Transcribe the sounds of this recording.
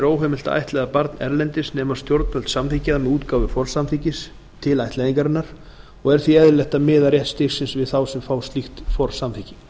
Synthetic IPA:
ɾoːwɦɛmɪl̥t̪aa̰jht̪lɛðapaɾt̪nɛ̰ɾlɛnt̪ɪsnɛːmḁst̪jowɾt̪pœlt̪samθicaðamɛðuːt̪kaːwvɪfɔr̥samθiːcɪs | t̪ʰɪlajht̪lɛðiŋkaɾɪnaɾ̥ | ɔɣɛɾ̥θviɛðlɛht̪amɪːðaɾrjɛht̪st̪ɪxsɪnsvɪðθawsɛmfawst̪lixt̪fɔr̥samθicɪ

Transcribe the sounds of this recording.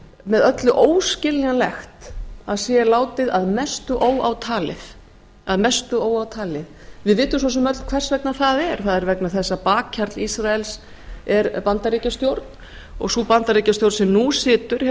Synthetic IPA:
mɛðœt̪lʏʔoːwscɪlːɣalɛxt̪aðsjɛlaːwt̪ɪðaðmɛst̪ʏʔoːwa̰wt̪ʰaːlɪð | aðmɛst̪ʏoːwawt̪ʰaːlɪθvɪðvɪːt̪ʏms̬ɔsɛmœt̪lkʰv̥ɛr̥svɛk̚naθaðɛɾ̥θaðɛɾvɛknaθɛsːapaːkcʰːaɾt̪lisɾaɛls | ɛɾpant̪aɾiːcast̪jowɾt̪n | ɔ̰ɣsupant̪aɾiːcast̪jowɾt̪sɛmnusɪːt̪ʏɾ̥

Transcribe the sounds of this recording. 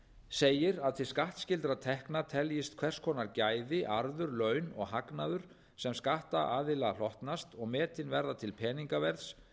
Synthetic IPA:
seːjɪɾaðt̪ʰɪskaht̪scɪlt̪ɾat̪ʰɛhknat̪ʰɛljɪst̪kʰvɛr̥skʰɔːnaɾcaːjðɪʔaɾðʏɾlœɥnɔ̰ɣɦaknaðʏɾ̥ | sɛmskaht̪aʔaːðɪlal̥ɔht̪nast̪ɔɣmɛːt̪ɪnvɛɾðat̪ʰɪlpʰɛːniŋkavɛɾðs

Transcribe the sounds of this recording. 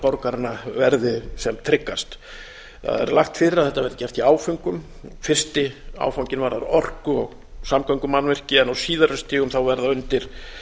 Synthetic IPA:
pɔɾkaɾɪnavɛɾðʏsɛmt̪ʰɾɪkːast̪ | θa̰ðɛ̰ɾlaxt̪fɪɾɪɾaðθɛt̪avɛɾt̪ḁcɛr̥t̪iaːwfʏŋkʏm | fɪr̥st̪ɪa̰ːwfawɲcɪnvaɾa̰ɾɔr̥kʏɔɣ | samkʰœŋkʏmanːvɛr̥cɪɛnawsiːðaɾʏst̪iːɣʏmθawvɛɾðaʏnt̪ɪɾ̥

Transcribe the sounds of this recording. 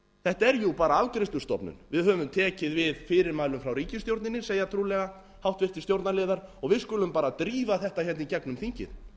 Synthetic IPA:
θɛht̪aɛɾjupaːɾaavkɾɪst̪ʏst̪ɔ̰pnʏ̰nvɪðhœːvʏmt̪ʰɛːcɪðvɪðfɪːɾɪɾmaːðlʏmfɾawɾiːcɪst̪jowɾt̪nɪnːɪseːjat̪ʰɾuːlɛɣa | hawht̪vɪrt̪ɪ̥st̪jowɾt̪naɾlɪːðaɾɔɣvɪðskʏːlʏmpaːɾat̪ɾiːvaθɛht̪açɛnicɛknʏmθiɲcɪ̰ð̥

